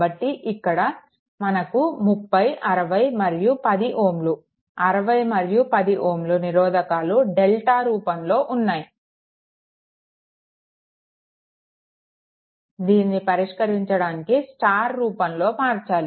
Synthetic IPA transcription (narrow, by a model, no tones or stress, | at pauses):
bɐʈːiʔikːɐɽɐ | mɐnɐkumupːɐjʔɐɾɐʋɐjmɐɾjupɐd̪iʔoːmlu | ɐɾɐʋɐjmɐɾjupɐd̪iʔoːmluniɾɔːd̪ɐkaːluɖelʈaːɾuːpɐmlo̞ːʔunːaːji | d̪iːnːipɐɾiʂkɐɾiɲt͡ʃɐɽaːnikisʈaːɾːuːpɐmlo̞ːmaːɾt͡ʃaːli